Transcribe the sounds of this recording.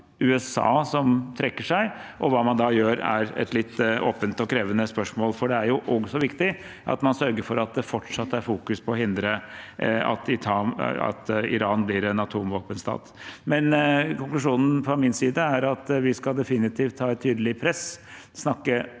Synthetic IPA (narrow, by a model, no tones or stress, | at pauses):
ʉːɛsɑ̰ːsɔmt̪ʰɾɛkːəʂæɪʔɔʋɑːmɑnd̪ɑjøːɾæ̰ɾɛ̰t̪lɪt̪ːo̰ːpənt̪ɔkʰɾeːʋənəspœʂmoːlfɔɖɛæɾjʊʔɔɡsɔʋɪkt̪ɪ | ʔɑ̰t̪mɑnsœɾɡəɾfɔɾɑt̪̚d̪ɛfɔʈʂɑt̪ːæɾfuːkʉspʰɔɔɦɪnd̪ɾə | ɑ̰t̪ɪt̪ʰɑɑ̰t̪ɪ̰ɾɑːnblɪɾɛnɑt̪ʰuːmʋoːpənst̪ɑ̰ːt̪mɛnkʊŋklʉʂuːnn̩fɾɔmɪnsiːd̪əæɾɑt̪ʋɪskɑld̪ɛfɪnɪt̪ʰiːft̪ʰhɑːɛt̪ʰːyːd̪əlɪpʰɾɛs | snɑkːə